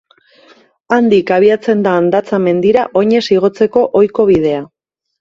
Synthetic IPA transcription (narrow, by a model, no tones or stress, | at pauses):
and̪ikaβ̞iat͡se̞nd̪aːnd̪at͡same̞nd̪iɾaʔo̞ɲe̞siɣ̞o̞t͡se̞ko̞ʔo̞jko̞β̞ið̞e̞a